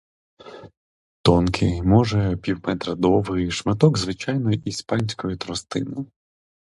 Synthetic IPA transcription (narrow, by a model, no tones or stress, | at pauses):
t̪ɔnkʰɪmɔʒɛpʲiwmɛt̪ɾɐd̪ɔʋɪjʃmɪt̪ɔɡzʋɪt͡ʃajnɔjʔispɑnʲsʲkɔjit̪ɾɔst̪ɪnɪj